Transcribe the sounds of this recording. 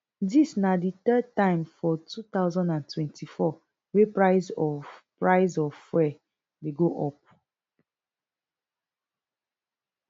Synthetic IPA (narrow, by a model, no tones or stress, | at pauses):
disnadit̪ɛd̚tãɪ̃mfɔtʰut̪aʊzɔ̃ndãntwɛ̃ntʰifɔ | wepɹaɪzɔpɹaɪzɔfwɛ | deɡoʔɔp̚